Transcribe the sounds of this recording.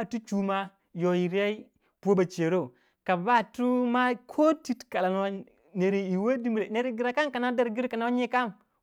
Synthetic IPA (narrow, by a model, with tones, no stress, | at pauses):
tu˦t͡ʃu˦ma˦ | jo˨ji˨ɾa˦i˦ | pu˨o˦ba˨t͡ʃe˨ɾo˦˨ | ka˨ba˦˨tu˦ma˦kʰo˦ti˦tka˨la˨n˦wa˦ | ne˨ɾi˨i˨we˦di˦mɾe˨ne˨ɾi˦ɡi˨ɾa˨ka˦nka˨na˦da˨ɾɡi˦ɾka˨na˦wa˦ɲe˦ka˦m